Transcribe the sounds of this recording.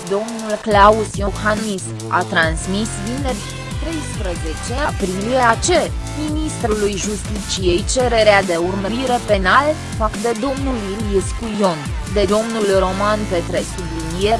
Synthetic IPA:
d̪o̞mnulklausjohanmis | a̰t̪ɾansmisvinerʲ | t̪ɾe̞jspɾəze̞t͡ʃe̞apɾilie̞at͡ʃe̞minist̪ɾulujʒust̪it͡ʃije̞jt͡ʃe̞ɾe̞ɾead̪e̞urməɾiɾe̞pe̞nal | fakd̪e̞d̪o̞mnulilieskujo̞n | d̪e̞d̪o̞mnulro̞manpe̞t̪ɾe̞sublinijeɾ

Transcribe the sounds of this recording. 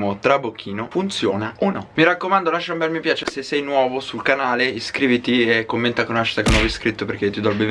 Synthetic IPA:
mot̪ɾabokʰːiːnofunt̪sjoːnaonɔmiɾakːomand̪olaʃombɛlmipjaːt͡ʃesesːɛjnwɔːvosulkanaːleiskɾiːvit̪iekːomːent̪akonaʃi̥t̪akenwɔviskɾit̪ːoperk̟et̪ːid̪ɔlbev

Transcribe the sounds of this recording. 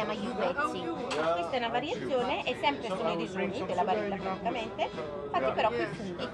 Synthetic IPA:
aːmajuvɛssikwest̪aɛunavaɾjat̪sːjoːneʔɛsːɛmpɾesunoiɾizuːmid̪elːabaɾɛlːakɾaɾit̪ːament̪e | fat̪ːipeɾɔkweput̪i

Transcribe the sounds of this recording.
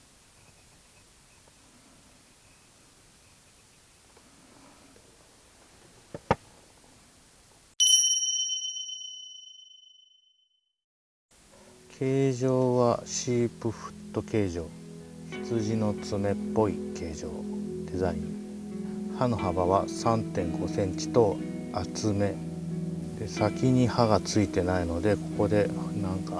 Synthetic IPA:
kʰe̞ːʑo̞ːβaɕiːpɯ̟ɸɯ̟̥t̪ːo̞ke̞ːʑo̞ːçi̥t͡sɨʑino̞t͡sɨme̞pːo̞ike̞ːʑo̞̰ːd̪̥e̞zaĩŋ | hano̞habaβasãnt̪ẽ̞ŋɡo̞sẽ̞ɲ̟t͡ɕi̥t̪o̞ | at͡sɨme̞ | d̪̥e̞sakʲiɲ̟ihaɡat͡sɨit̪e̞naino̞d̪e̞ko̞ko̞d̪e̞nãŋka

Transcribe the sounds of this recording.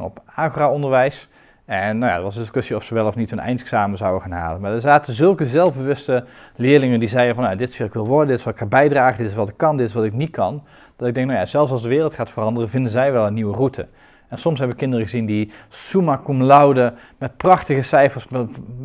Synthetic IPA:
nɔ̰paːχraːɔndəɹʋɛjs | ɛnnawja̰dɑtʋɑsəndɪskɵsiɔfsəʋɛlˠɔfnithənɛ̰jntksaːməzɑwəχaːnɦa̰ːlənmaːdəɹzaːtəzɵlˠkəzɛlˠvbəʋɵstəlɪːɹlɪŋəndizɛjənvɑnjadɪtsfɪlɪkʋɪlˠʋɔɹdəndɪtɪsʋɑtɪkχabɛjdraːχədɪtɪsʋɑtɪkːɑndɪtɪsʋɑtɪk̚nit̚kɑ̰n | d̥ɑtɪɡ̚dɛŋknawjaːzɛlˠfs̬ɑlˠsdəʋɪːrlˠtχaːtfərɑndərəvɪndənzɛjʋɛlˠənːiʋərutʰə̰ | ɛnsɔms̬ɦɛbʋəkɪndərəχəzindisumakumlɑwdə | mɛt̚prɑχtəɣəsɛjfəɹs

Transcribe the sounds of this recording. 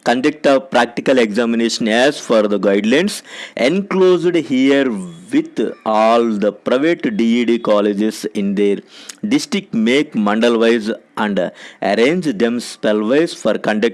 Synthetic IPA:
kɐ̃ɳɖek̚ʈɐpɾæːk̚ʈikɐlekzæːmineːʃɐ̃næːzfɔːɾd̪ɐɡaɪɖlãɪ̃ɳɖsẽnkloːzɖhiəɾʋit̪ʰɔːld̪ɐpɾaɪʋeʈɖiiɖikɔːled͡ʒesĩnd̪eɾɖɪsʈɾik̚meːkmɐ̃ɳɖəlʋaɪzʔæ̃ɳɖɐ̰ɾẽːɲd͡ʒd̪ẽmspelʋaɪsfɔɾkɐ̃ɳɖɐk̚ʈ

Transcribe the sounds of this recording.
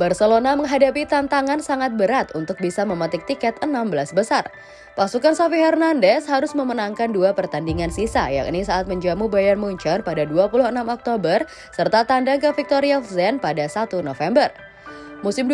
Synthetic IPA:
barsəlonaməŋɦadapit̪ant̪aŋansaŋat̪̚bəɾat̪unt̪ʊk̚bisaməmat̪ɪk̚t̪ikɛt̪ənambəlasbəsar | pasukansofihɛrnandɛshaɾʊsməmənaŋkanduapərt̪andiŋansisa̰ja̰ʔnisaʔat̪̚məɲd͡ʒamubajarmuɲt͡ʃɔrpadaduapuluhənamɔk̚t̪obər | sərt̪at̪andaŋkəfik̚t̪oɾiafzɛnpadasat̪unofɛmbər | musɪm

